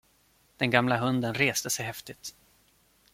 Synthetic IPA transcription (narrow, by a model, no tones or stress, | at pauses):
d̪̥ɛnɡamlaɦɵnd̪ənɾeːst̪əsɛjɦɛft̪ɪt̪